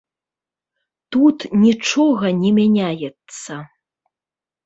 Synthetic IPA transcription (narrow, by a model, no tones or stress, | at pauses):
t̪ut̪nʲit͡ʂɔɣɐnʲɛmʲanʲajɛt̪sɐ